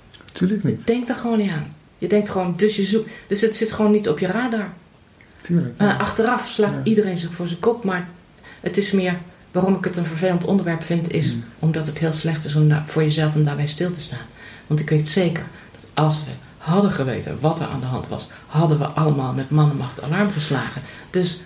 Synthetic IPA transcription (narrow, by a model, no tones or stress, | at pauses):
tʰylknəd̥ɛŋk̚daɹχʋoːniaːn | jədɛŋktχʋoːndɵsjəzud̥øsətsɪtχʋoːnːitɔpjəraːdɔɹ | tːʔɑχtərɑfslaːtidəreːnzɪxfʊːɹzənkɔp̚maɹ | ətɪsmɪəɹ | ʋaːrɔmɪkətənvəɹveːləntʰɔ̰ndəɹʋɛɹpfɪntɪsʔɔmdɑtətɦɪːlˠslɛχtɪs̬ɔmv̥ʊːɹjəzɛlˠfɔmdaːɹbɛjstɪlˠtə̥staːnʋɑntɪkʋejtseːkə̰ɹ | d̥ɑtʔɑlˠsʋə̰ | hɑdəχəʋḛjtə̰nʋɑtə̰ɹʔa̰ːndəɦɑ̰ntʋɑ̰s | hɑdənʋə̰ʔɑləmaːlˠmɛtmɑnənmɑχtʰa̰lɑɹmχəslaːχənd̥øs